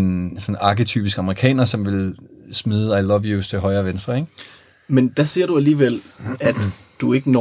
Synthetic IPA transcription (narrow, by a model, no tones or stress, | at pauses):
nsɒ̽nɑ̈ɡət͡sʰy̰ːb̥isɡ̥ɑ̈məʁikʰɛ̰ːnɐsɒ̽mʋe̝lsmiːð̞ˠəɑ̈ɪlɒʋjust͡sʰe̝ɦɒ̽ɪɐːʋensd̥ʁɐeɡ̥ | mend̥æseɐ̰ɾ̥uæliːʋel̰æd̥d̥ue̝ɡ̥ən